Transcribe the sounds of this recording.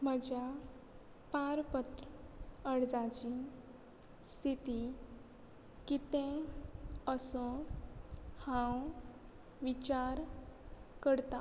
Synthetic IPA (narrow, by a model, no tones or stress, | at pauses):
m̤əd͡ʑja | paɾpət̪ɾəɽd͡zat͡ɕi | st̪ʰit̪i | kit̪ɛ̃ | əsɔ | hãw | ʋit͡ɕaɾ | kəɾt̪a